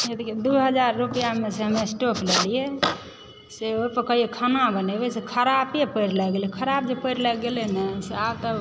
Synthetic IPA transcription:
jed̪iked̪uɦəd͡ʒaɾːupijameseɦəmesʈoklelije | seojpəɾkəjekʰanabənebesekʰəɾapjepəɪɾlɛɡelekʰəɾab̚d͡ʒepəɪɾlɛɡelenəseabt̪ə

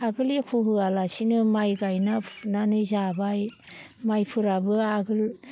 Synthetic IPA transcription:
aɡɯlikʰuɦɯalasinɯmajɡajnapnanɯzabajmajpʰɯɾabɯaɡɯl

